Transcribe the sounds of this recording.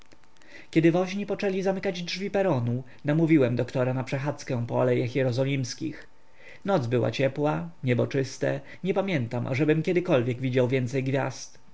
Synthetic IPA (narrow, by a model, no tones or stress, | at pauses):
kʲɛd̪ɘvɔʑɲipɔt͡ʂɛlʲizamɘkad͡ʑdʐvʲipɛɾɔnu | namuvʲiwɛmd̪ɔkt̪ɔɾanapʂɛxat̪skɛ̃pɔɔ̰lɛjaxjɛɾɔzɔlʲimskʲḭx | nɔd̪zbɘwa̰t͡ɕɛpwaɲɛbɔt͡ʂɘst̪ɛ̰ | ɲɛpamʲjɛnt̪amʔa̰ʐɛbɘmkʲɛd̪ɘkɔlvʲjɛɡvʲid͡ʑawvʲjɛnt̪sɛjɡvʲja̰st̪